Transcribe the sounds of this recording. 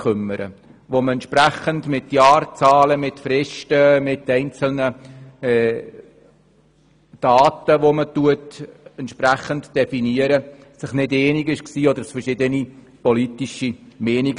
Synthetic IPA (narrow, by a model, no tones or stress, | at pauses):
kʰʏmːəɾə̰ | ʋoməɛntt͡ʃʃpɾæχəndmɪtjɑːɾt͡sɑːləmɪtfɾɪʃtəmɪtːɛɪnt͡səl̩nəɛ | d̥ɑːt̪əʋomətuətɛnt̪ʃpɾæχəndd̥ɛfiniəɾə | sɪχnɪdɛːniɡɪʃksiːɔd̪əɾsfəɾʃɪdəni | pɔlit̪iʃimɛːniɡ